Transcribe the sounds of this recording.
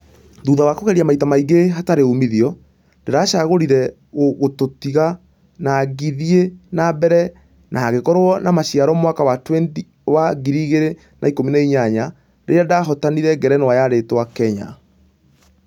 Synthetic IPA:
ðuːðawakoɣɛɾiamaitamaiɡeɦataɾeumiðiɔ | ndeɾaɕaɣoɾiɾɛ | ɣoɣototiɣa | naɣiðienabɛɾɛ | nʔaaɣekɔɾoɔnamaɕijaɾɔmwakawatwendi | waɣiɾiɣeɾe | nʔaikominaiɲaɲa | ɾeadaɦɔtaniɾɛɡɛɾɛnɔwajaɾetwakɛɲa̰

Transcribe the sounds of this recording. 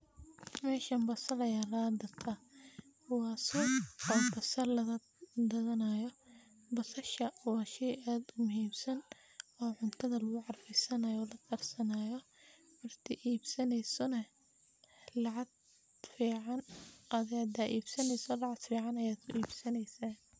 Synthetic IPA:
mɛːʃɐmbɐsɐlɐjaːlaːd̪ɐt̪ʰɐkʰʊwaːsɔɔːbɐsɐrlɐɐ | d̪ɐðɐnaːjɔ | bɐsɐʃɐwɑːʃɛjaːd̪ʊmʊɦiːmsɐn | ɔːʕʊnt̪ʰɐðɐlɐɣʊʕɑrfɛsɐnɐjɔːlɐt̪ʰɐrsɐnaːjɔmɐrt̪ʰɪʔiːbsɐnɛjsɔnɐ | lɑʕɑd̪ | fiːʕɑnʔɐðjaːd̪aʔiːbsɐnɛjsɔlɑʕɑd̪fiːʕɑnɐjaːd̪kʰʊ̰ʔiːbsɐnɛjsa

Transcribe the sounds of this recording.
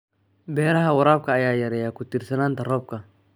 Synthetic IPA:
bɛːɾɐɦɐwɐɾaːb̚kʰɐːjaːjɐɾɛjaːkʊt̪irsɐnaːnt̪ɐrɔːb̚kʰɐ

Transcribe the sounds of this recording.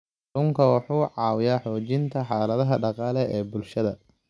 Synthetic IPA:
lʊŋkʰɐwɑħuːʕɑːwɪjaːħɔːt͡ʃɪnt̪ʰɐħɑːlɐðɐɦɐɖɑqɑːlɛɛːbʊlʃɐðɐ

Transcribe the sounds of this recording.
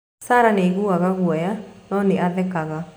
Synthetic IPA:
saːɾaneɣuaɣaɣwɔjanɔːneaðɛkaɣa

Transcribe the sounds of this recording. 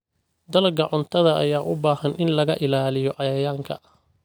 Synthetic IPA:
d̪ɐlɐɡɐʕʊnt̪ʰɐðɐɐ̰jaːʔʊbaːhɐnʔɪnlɐɣɐʔɪlaːlɪjɔʔɐjɐjaːŋkʰɐ̰

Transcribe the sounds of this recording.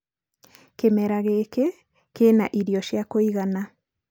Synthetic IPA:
kemɛɾaɣeke | kenaʔiɾjɔʃjakoiɣana

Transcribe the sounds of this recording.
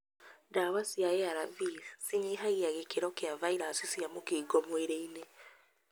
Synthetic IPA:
dawasiaɛaɾaviðsiɲiɦaɣiaɣekeɾɔkeavaiɾasisjamokiːɡɔmweɾeine

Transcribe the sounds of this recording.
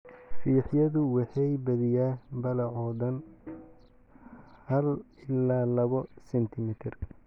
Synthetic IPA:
fiːħjɐðʊwɑħɑjbɐðɪjaːbɐlɐʕɔðɐn | hɐl | ɪlaːlɐβɔsɛnt̪ʰɪmɪt̪ʰɪr

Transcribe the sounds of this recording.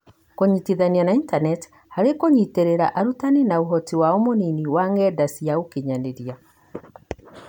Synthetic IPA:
koɲitiðanianaintanɛti̥ | haɾekoɲiteɾeɾaʔaɾutaninauɦɔtiwaomoniniwaŋɡɛdasiaokiɲaneɾia

